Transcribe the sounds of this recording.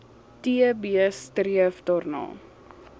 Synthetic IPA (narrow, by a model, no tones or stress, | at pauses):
tiəbiəstɾiəfdɑːrnɑ̰ː